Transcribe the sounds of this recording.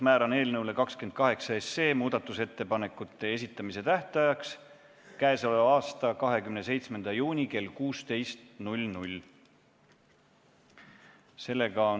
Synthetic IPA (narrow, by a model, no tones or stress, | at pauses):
mæːɾɑne̞ːlnɤwle̞kɑkske̞nd̪̥̚kɑɦe̞ksɑesːe̞ːmuːd̪̥ɑt̪ːˑuse̞t̪ːe̞pɑne̞kːˑut̪ːˑe̞es̬ʲit̪ːˑɑmise̞t̪æht̪ɑjɑks | kæeso̞levɑːst̪ɑkɑɦe̞kymnese̞jt̪sme̞nd̪̥ɑjuːnʲike̞lkuːst̪e̞jst̪nulʲnulʲ | se̞lːe̞ɡ̥ɑo